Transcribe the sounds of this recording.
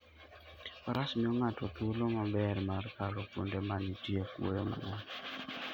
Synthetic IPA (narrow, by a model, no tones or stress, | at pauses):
pɔɾʔasmɪɔŋatɔt̪ulomabɛrmarkalɔkṵndɛmanitiekwo̰jɔma̰ŋɔn